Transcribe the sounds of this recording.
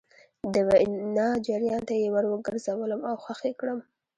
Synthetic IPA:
d̪əwanɑd͡ʒaɾjɑnt̪ajewaɽwəɡəɾzawələmawxwaxekɽəm

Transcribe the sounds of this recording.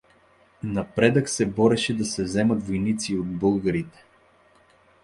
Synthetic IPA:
nɐpɾɛd̪əksɛbɔɾɛʃɛd̪ɐsɛzɛmət̪vojnit̪siod̪̚bɤlˠɡəɾit̪ɛ̥

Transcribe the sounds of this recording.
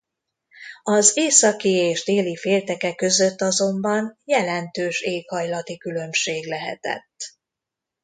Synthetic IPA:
ɒzeːsɒkieːʒd̪eːlifeːlt̪ɛkɛkø̞zøt̪ːɒzo̞mbɒnjɛlɛnt̪øːʃeːkhɒjlɒt̪ikylø̞mʃeːɡlɛɦɛ̰t̪ɛ̰t̪ː

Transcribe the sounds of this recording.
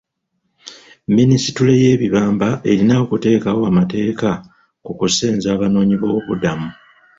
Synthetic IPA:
mːinisi̥tule̞je̞ːβiβaːmbaʔe̞ɾinaokute̞ːkawo̞amate̞ːka | kukuseːnzaːβano̞ːɲiβo̞ːβudamu

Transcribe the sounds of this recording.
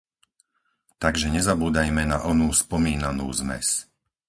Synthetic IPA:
t̪aɡʒɛɲɛzabuːd̪ajmɛnaʔɔnuːspɔmiːnanṵːzmɛ̰s

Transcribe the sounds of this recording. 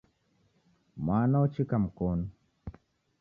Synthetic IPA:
maːnawt͡ʃikamkon

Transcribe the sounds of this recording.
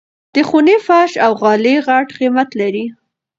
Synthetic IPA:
d̪̥əxunefaʃawɣɑleɣaʈqimat̪laɾi

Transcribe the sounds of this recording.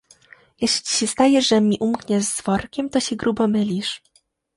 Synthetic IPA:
jɛɕlʲi̥ɕɛst̪ajɛʐʐɛmʲiʔumkɲɛʐzːvɔɾkʲɛmt̪ɔɕɛɡɾubɔmɘlʲiʂ

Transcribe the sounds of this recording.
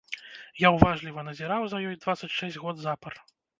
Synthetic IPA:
jawvaʐlʲivɐnɐzʲɛɾawzɐjɔjd̪vat̪sːɐt͡sʲʂɛsʲdʲɣɔd̪zapɐr

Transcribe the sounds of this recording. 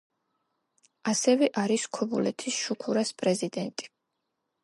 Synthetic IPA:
asɛvɛʔaɾiskʰɔbṵlɛt̪ʰisʃukʰuɾaspʼɾɛzid̪ɛnt̪ʼi̥

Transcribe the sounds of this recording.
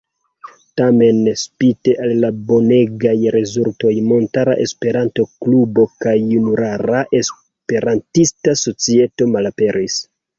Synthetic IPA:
tame̞nspite̞ʔalːabo̞ne̞ɡajɾe̞zulto̞jmo̞ntaɾa̰ʔe̞spe̞ɾanto̞klubo̞kajunuɾaɾaʔe̞s | pe̞ɾantistaso̞t͡sie̞to̞malape̞ɾis

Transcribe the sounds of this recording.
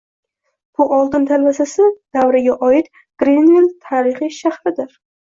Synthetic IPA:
b̥ʊʔɒlˠd̪ɪnt̪ʰalvasasɪd̪̥awɾɪɡʲaʔɒɪt̪ | ɡ̥ɾenvilt̪ʰaɾɪχijʃaχɾɪd̪ɪɾ

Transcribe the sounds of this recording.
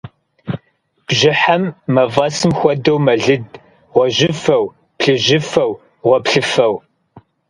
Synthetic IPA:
b̥ʒɪħamːɐvɐsɨmxʷɔdɐwmɐɮɨd | ʁʷɔʒɪfɐw | pɬɨʒɪfɐw | ʁʷɔpɬɨfɐw

